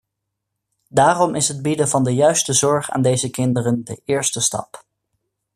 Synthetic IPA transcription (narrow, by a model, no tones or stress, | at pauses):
daːrɔmʔɪsɦəd̚bidəvɑndəjœɥstəzɔɹχa̰ːndejzəkɪndərəndə̰ʔɪːɹstəstɑ̰p